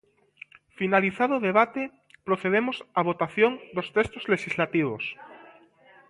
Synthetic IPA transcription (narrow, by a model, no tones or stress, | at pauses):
finaliθaðoðeβ̞at̪e | pɾoθeð̞emosaβ̞ot̪aθjoŋd̪ost̪est̪ozleʃizlat̪iβ̞os